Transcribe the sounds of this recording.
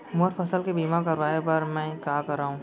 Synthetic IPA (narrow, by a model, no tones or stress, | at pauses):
moɾfʰəsəlkebiːmakɐɾʋaːepɐɾmɛ̃ːkaːkɐɾaːɦũː